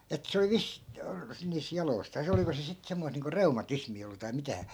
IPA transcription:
et se oli ʋis niːs jɑloi̯stɑːs oliko se sit semːois niːŋko reumɑtismiː olːu tɑi mitæ

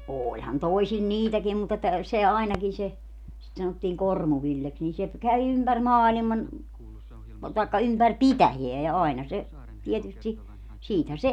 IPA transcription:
oːlʲhɑn toisil niːtækiːm mut etːæ se ɑinɑkin se sit sɑnotːiːŋ kormuʋilːeks nin se kæʋi ympær mɑːlimɑn tɑikːɑ ympær pitæjeæ jɑ ɑinɑ se tietysti siːthæ se

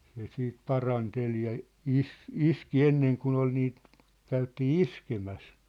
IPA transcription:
se siːt pɑrɑntel jɑ isˑ iski enːeŋ kun ol niːt kæytiː iskemæs

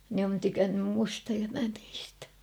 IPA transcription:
ne on tykænːym mustɑ jɑ mæ niːstæ

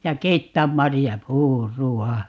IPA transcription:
jɑ keitːæːm mɑrijɑpuːruɑ

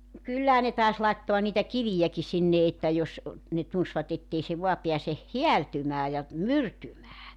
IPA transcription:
nŏ kylːæhæ ne tɑˑes lɑitːoɑ niːtæ kiʋijæki sinːe etːæ jos ne tunsʋɑt etːei se ʋoɑ peæse hiæltymæː jɑ myrtymæː

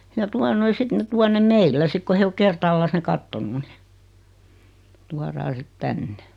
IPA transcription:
jɑ tuɑ noi sit ne tuɑ nem meilːæ sik ko he o kertɑːlːɑs ne kɑtːonu ni tuɑrɑː sit tænːe

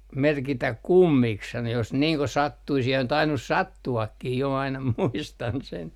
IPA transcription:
merkitæk kumːiks sɑno jos niːŋ ko sɑtːuis jɑ on tɑinus sɑtːuɑkːih jo ɑinɑ muistɑn sen

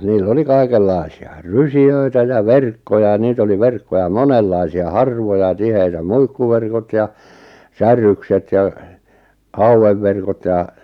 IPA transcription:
niːlː oli kɑikelːɑi̞siɑ rysiøitæ jɑ ʋerkːojɑ j̆ɑ̆ niːt oli ʋerkːojɑ monelːɑisiɑ hɑrʋojɑ tiheitæ muikːuʋerkot jɑ sæːrˑykset jɑ hɑuweʋːerkot jɑˑ

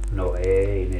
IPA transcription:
no ei ne

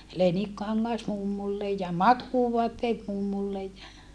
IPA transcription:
lenikːɑŋːɑs mumːulːe jɑ mɑkːuːʋoɑtːeːt mumːulːej jɑ

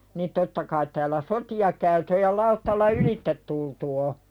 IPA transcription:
nin totːɑ kɑit tæːlˑæ sotiɑ kæyty̆ ŏj̆ jɑ lɑutːɑlːɑ ylitːet tultu o

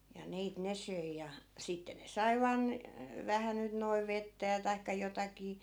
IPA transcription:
jɑ niːt ne søi jɑ sitːe ne sɑi̯ ʋɑːn ʋæhæ nyt noiʋ̆ ʋetːæ jɑ tɑikːɑ jotɑkiː

